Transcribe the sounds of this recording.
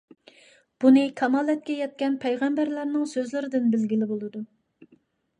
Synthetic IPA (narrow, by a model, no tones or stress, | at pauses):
b̥unɨkʰɑmɑːlˠɛt̪̚kʲɛjɛt̪̚kʲɛnpʰɛjʁæmbæɾlæɾnɪŋsøzlɪɾɪd̪ɪnbɪlɡʲilɪbolˠɨd̪u